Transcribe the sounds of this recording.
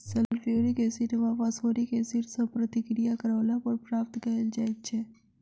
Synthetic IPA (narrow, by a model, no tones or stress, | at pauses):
sɛllfoɾikesɪnemapɐsoːɾikesiɾsəpɾət̪ɪkɾijakɐɾaːlapɐɾpɾaːp̚t̪kɐld͡ʒaːeɡ̚t͡ʃʰɛː